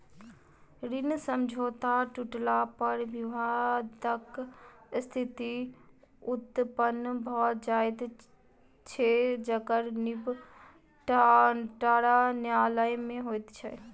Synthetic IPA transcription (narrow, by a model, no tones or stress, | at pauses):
ɾinsəmd͡ʒʱot̪aʈuʈlapəɾbiʋad̪ək | st̪ʰit̪i | ut̪ːpənːbʱɔːd͡ʒajt̪ | t͡ʃʰed͡ʒəkəɾnib | ʈʈaɾanjaləjmẽɦojt̪t͡ʃʰɛ